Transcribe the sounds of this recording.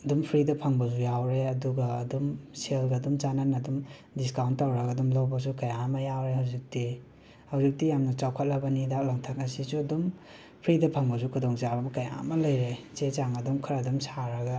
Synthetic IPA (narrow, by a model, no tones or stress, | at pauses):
ɐdumpʰɾidɐpʰɐŋbɐz̬ujawɾeɐduɡaːdumselɡɐːdumt͡ʃananɐdumdiskawntːawɾɐɡadumlawbɐs̬ukajamɐjawɾehawzik̚di | hawzik̚dijamnɐt͡ʃawkʰat̚lɐbɐnidak̚laŋtʰak̚ɐsisuɐdum | pʰɾidɐpʰɐŋbɐsukʰudɔŋzabɐmɐkaja̰mɐlɐjɾet͡ʃet͡ʃaŋɐdumkʰaɾɐdumsaɾɐɡa